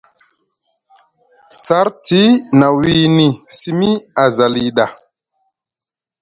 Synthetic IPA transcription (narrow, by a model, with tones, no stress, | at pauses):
sa˦ɾti˦na˨wi˦ni˨si˦mi˦a˨za˨li˨ɗa˨